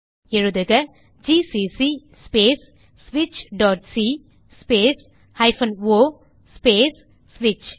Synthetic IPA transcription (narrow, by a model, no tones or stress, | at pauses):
ɛɻɯðɯɣɐ | d͡ʒisisi | speːs | sʋɪt͡ʃɖɔːʈ̚si | speːs | hɐɪfɐnoː | speːsː | ʋɪt͡ʃ